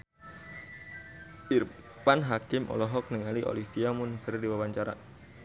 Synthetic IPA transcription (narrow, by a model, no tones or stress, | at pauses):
ʔir | panɦakɪmʔɔ̰lɔɦɔk̚nəŋaliʔo̰lifiamʊnkərdiwawaɲt͡ʃaɾa̰